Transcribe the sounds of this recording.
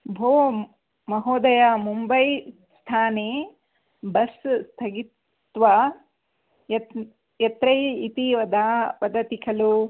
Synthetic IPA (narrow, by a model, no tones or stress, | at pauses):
bʱoː | mɐɦoːd̪ɐjamumbɐj | st̪ʰaːneː | bɐsst̪ʰɐɡit̪ʋɐ | jɐ | jɐt̪ɾɐjit̪iʋɐd̪aːʋɐd̪ɐt̪ikʰɐlu